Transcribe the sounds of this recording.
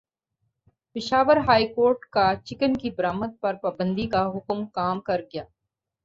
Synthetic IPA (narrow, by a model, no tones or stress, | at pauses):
pɪʃaːʋəɾɦaːikoːɾʈkat͡ʃɪkənkibɾaːmət̪̚pɐɾpaːbə̃nd̪ikaɦʊkmkaːmkɐɾɡɐjaː